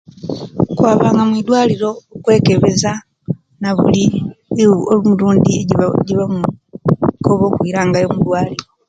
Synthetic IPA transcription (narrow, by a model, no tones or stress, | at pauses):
kwaːβaːŋɡamwid̪waːliɾo̞kwe̞ːke̞βe̞za | naβṵli | olumuluːndieɟiβam | koβo̞ːkwiɾaːŋɡajomud̪waːliɾo̞